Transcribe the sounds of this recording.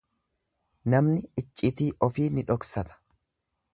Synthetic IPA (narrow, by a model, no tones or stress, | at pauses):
nɐmnɪɪt͡ʃʼːɪt̪iːʔɔfiːnɪᶑɔksɐt̪ɐ̥